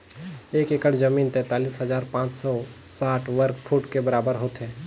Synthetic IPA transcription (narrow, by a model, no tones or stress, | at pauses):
eːkeːkəɽd͡ʒəmiːnt̪ɛ̃ːt̪aːliːsɦəzaːɾpãːt͡ʃsɔ | saːʈʰʋəɾkpʰuʈkebəɾaːbəɾɦoːt̪ɦɛ̃ː